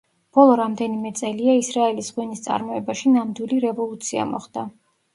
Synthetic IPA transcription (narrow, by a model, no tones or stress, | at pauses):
b̥ɔlˠɔɾamd̪ɛnimɛt̪sʼɛliaisɾaɛlisʁwɛnist̪sʼa̰ɾmɔɛbaʃinamd̪wiliɾɛvɔlˠut̪sʰia̰mɔ̰χd̪a